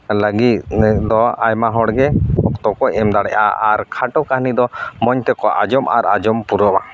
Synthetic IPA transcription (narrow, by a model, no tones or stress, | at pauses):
ləɡit̪̚d̪ɔajmaɦɔɽɡɛhɔkt̪ɔkɔɛmd̪aɽɛʔa̰aɾkʰaʈɔkaɦnid̪ɔmɔɲt̪ɛkɔʔad͡ʒɔma̰ɾad͡ʒɔmpuɾɔma